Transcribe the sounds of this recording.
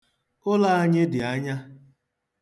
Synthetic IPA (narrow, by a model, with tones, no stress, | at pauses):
ʊ˦la˦a˦ɲɪ˦dɪ˨a˦ɲa˦